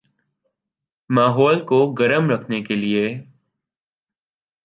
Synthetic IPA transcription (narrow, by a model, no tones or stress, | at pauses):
maːɦɔːlkoɡɐɾəmɾɐkʰnekelie